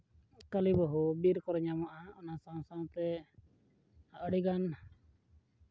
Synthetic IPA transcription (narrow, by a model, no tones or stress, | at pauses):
kalibɔɦubiɾkɔɾɲamaʔaɔnasaw̃saw̃t̪ɛ | əɽiɡan